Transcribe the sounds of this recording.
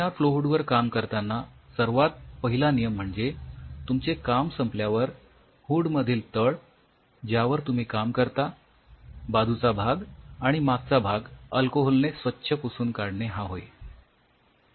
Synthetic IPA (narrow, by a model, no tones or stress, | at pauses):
afloɦuɽʋəɾkamkəɾt̪anːasəɾʋat̪̚pəɦilanijəm̤ːəɳd͡zet̪umt͡sekamsəmpljaʋəɾ | huɽməd̪ʱiːlt̪əɭ | d͡ʑjaʋəɾt̪um̤iːkamkəɾt̪a | bad̪ʱut͡sabʱaɡaɽ̃imaɡ̚t͡sabʱaɡəlkoɦolnesʋətːɕʰəpusuːnkaɽɳeɦaɦoj